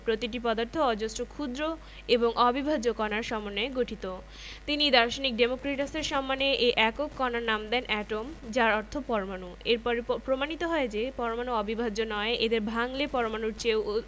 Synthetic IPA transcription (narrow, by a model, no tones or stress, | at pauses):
pɾot̪iʈ̬ipɔd̪aɾt̪ʰoɔd͡ʑosʈɾokʰud̪ɾo | eboŋʔɔbibʱad͡ʑokɔnaɾʃɔmonːeeɡoʈʰit̪o | t̪inid̪aɾʃonik̚ɖemokɾeʈaseɾʃɔmːaneʔeʔɛkokːɔnaɾnamd̪ɛnʔɛʈomd͡ʑaɾɔɾt̪ʰopɔɾomanueɾpɔɾepɾomanit̪oɦɔed͡ʑepɔɾomanuɔbibʱad͡ʑonɔeʔed̪eɾbʱaŋlepɔɾomanuɾt͡ɕew